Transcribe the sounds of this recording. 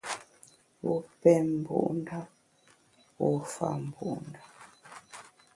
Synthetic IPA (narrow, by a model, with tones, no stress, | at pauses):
wu˦pɛ˦m˨bṵ˦ʔnda˦ | wo˦fa̰˦˨m˨bu˦˨nda˨